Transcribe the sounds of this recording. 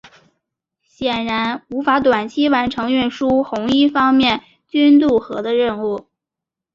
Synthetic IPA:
ɕjɛ˨˩nɻa˧˥nu˧˥fa˧˥t̪wa˨˩nt͡ɕʰi˥wa˧˥nʈ͡ʂʰɤ˧˥ŋɥy˥˩nʂu˥xʊ˧˥ŋi˥˩fɑ˥ŋmjɛ˥˩n | t͡ɕy˥nt̪̬u˥˩xɤ˧˥d̪ə˧ɻə˥˧nu˥˩

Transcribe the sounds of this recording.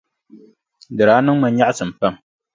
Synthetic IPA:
dɨ˨ɾaː˨˦nɨ˦ŋma˨n˦ɲa˦ʔsɨ˨m̩˨pa˦m

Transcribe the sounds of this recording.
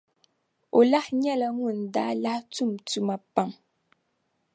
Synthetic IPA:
o˨la˦hɲɛ˦˨lə˨ŋu˦˨nda̰˨˦la˦htu˦˨mtu˨ma˨pa˨ŋ

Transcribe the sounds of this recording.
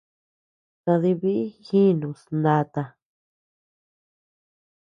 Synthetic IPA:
t̪ã˧ði˧βi˦ʔi˦xĩ˦˧nũ˨snã˧t̪a˧

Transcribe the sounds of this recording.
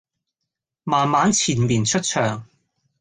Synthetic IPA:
maː˨˩nmaː˨˥nt͡sʰiː˨˩nmiː˨˩nt͡ʃʰɵ˥t̚t͡ʃʰœː˨˩ŋ

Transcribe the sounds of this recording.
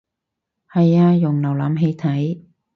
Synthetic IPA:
hɐ˨jaː˧jʊ˨˩ŋlɐ˨˩wlaː˨˥mɦe˧jt̪ʰɐ˨˥j

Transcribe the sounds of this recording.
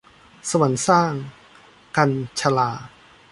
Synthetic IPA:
sa˧wa˩˦nsaː˥˩ŋ | ka˧nt͡ɕʰa˧laː˧

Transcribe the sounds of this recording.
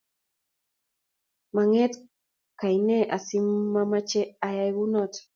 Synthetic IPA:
ma˨ŋɛ˦t̪ | ka˨jne˦ʔa˨simːama˦t͡ʃɛ˦ajajɣunɔt̪

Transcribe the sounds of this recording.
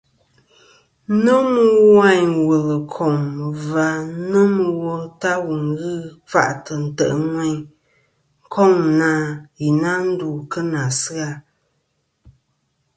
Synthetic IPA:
nə˦mə˦wa˦˨ɲwə˨lə˨kʰɔ˨ŋ˨va˨˦nə˦mə˨wo˦ta˦wu˨ŋ˦ɣɨ˦fa̰˦˨ʔtə˨n̩˨tə̰˨ʔŋwɛ˦ɲ | ŋ̩˦kʰɔ˦˨ŋ˨na˨ji˨na˦n̩˦du˨kə˦na˨sɨ˦a˦

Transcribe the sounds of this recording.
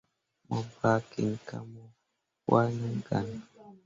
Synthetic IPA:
mɔ˨ba˦ki˨n˨ka̰˦mɔ˦ | wa˦ni˦ɡa˨n˨

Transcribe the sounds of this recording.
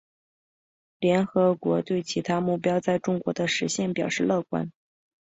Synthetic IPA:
ljɛ˧˥nxɤ˧˥kwɔ˧˥t̪we˥˩ɪt͡ɕʰi˧˥t̪ʰa˥mu˥˩pjɑ˥ʊt͡sa˥˧ɪʈ͡ʂʊ˥ŋkwɔ̰˧˥d̪ə˧ʂɻ̩˧˥ɕjɛ˥˩npjɑ˨˩ʊʂɻ̩˥˧lɤ˥˩kwa̰˥n

